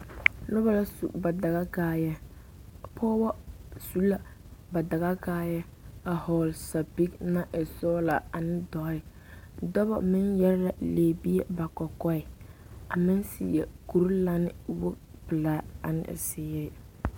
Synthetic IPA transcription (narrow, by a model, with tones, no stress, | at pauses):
nʊ˦ba˦la˦sṵ˨ba˨da˨ɣa˦ɡaː˦jɛ˦˨ | pʰɔː˦bɔ˦su˦la˨ | ba˨da˨ɣa˦ɡaː˦jɛ˦a˨hɔː˨lsa˨pi˦kna˦ʔɛ˨sɔː˦la˨a˨nɪ˦dɔ˨˦ɪ˨ | dɔ˦bɔ̰˨mɪ˦njɛ˦ɾɾa˨leː˨bi˦ɛ˦ba˨kɔ˨kɔ˦ɪ˨ | a˨mɪ˦nsḭ˨jɛ̰˨ku˨ɾla˦nɪ˨wʊ˦ | pɪ˨laː˨˦a̰˨nɪ̰˦ʔsɪː˦ɪ˦